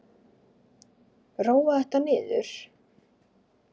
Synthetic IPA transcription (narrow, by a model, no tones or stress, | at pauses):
rawvaɛht̪anɪːðʏ̰ɾ̥